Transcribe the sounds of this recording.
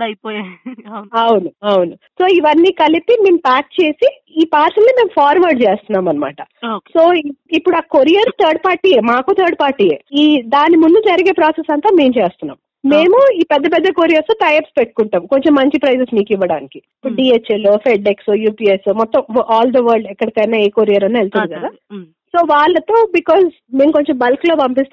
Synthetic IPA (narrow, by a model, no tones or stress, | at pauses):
ɐjpoːja | ɐwunuɐwunuso̞ːiʋɐnːiːkɐlipime̞ːmpaːk̚t͡ʃe̞ːsi | iːpaːɾsɐlnime̞ːmpʰaːɾʋɐɾɖt͡ʃe̞ːst̪unːaːmɐnːɐma̰ːʈɐsoːiipːuɽuaːkoɾijɐɾt̪ʰɐɾɖpaːɾʈːiːjeːmaːkoːt̪ʰɐːɾɖpaːɾʈːiːjeːiːd̪aːnimund̪ud͡ʒɐɾiɡeːpɾaːsesɐnt̪aːmeːmt͡ʃeːst̪unːa̰ːm | me̞ːmuiːpɛd̪ːɐp̬ɛd̪ːɐkoːɾijɐst̪oːʈ̪ɐjepspeʈːu̥kuɳʈaːmko̞ɲt͡ʃemːɐɲt͡ʃipɾɐjs̬esmiːkiʋːɐɽa̰ːnikiipːuɖiːet͡ʃeloːfʰeɖeksujuːpiːesumɔt̪ːɐmʔaːld̪ɐʋɐːɾɖɛkːɐɽikɐjnaːeːkoːɾijɐɾɐnːaɛɭt̪ɐɾikɐd̪aː | so̞ːʋaːɭːɐt̪o̞ːbikɔːs | meːmuko̞ɲt͡ʃe̞mbɐlklo̞ːpɐmpist̪